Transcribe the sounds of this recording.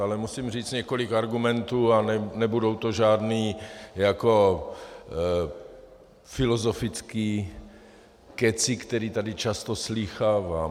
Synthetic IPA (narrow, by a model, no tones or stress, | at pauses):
alɛmusimr̝iːt͡sɲɛko̞lɪkaɾɡumɛnt̪uːanɛnɛbudowt̪oʒaːd̪niːjako̞ | fɪlozo̞fɪt͡skiː | kɛt͡sɪkt̪ɛɾiːt̪adɪt͡ʃast̪oslixaːvaː